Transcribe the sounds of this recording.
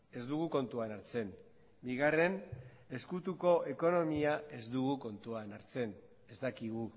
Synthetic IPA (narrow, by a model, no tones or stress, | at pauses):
e̞zd̪uɣuko̞nt̪uanaɾt͡se̞n | biɣare̞n | e̞skut̪uko̞ʔe̞ko̞no̞miae̞zd̪uɣuko̞nt̪uanaɾt͡se̞n | e̞zt̪akiɣu